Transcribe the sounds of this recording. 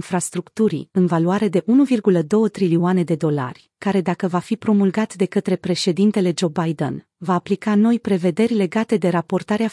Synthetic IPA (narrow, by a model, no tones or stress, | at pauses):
nfɾast̪ɾukt̪uɾḭɨnvaluaɾe̞d̪e̞ʔunuvirɡuləd̪o̞wət̪ɾilioane̞d̪e̞d̪o̞la̰rʲ | kaɾe̞d̪akəvafipɾo̞mulɡat̪d̪e̞kət̪ɾe̞pɾe̞ʃe̞d̪int̪e̞le̞d͡ʒo̞bajd̪ə̰n | vaːplikano̞jpɾe̞ve̞d̪e̞rʲle̞ɡat̪e̞d̪e̞ɾapo̞rt̪aɾea